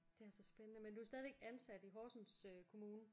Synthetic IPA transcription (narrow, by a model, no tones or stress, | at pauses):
d̥e̝æɐsɒ̽sb̥enənəmend̥uæɐsd̥ɛːð̞ˠʋeɡ̥ænsæd̥iɦɒːsn̩søkʰo̝muːnə